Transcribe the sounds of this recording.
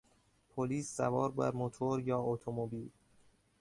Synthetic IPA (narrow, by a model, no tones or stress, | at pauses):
pʰoliːsːævɒːɾbæ̰ɾmot̪ʰoɾjɒːot̪ʰomobiːl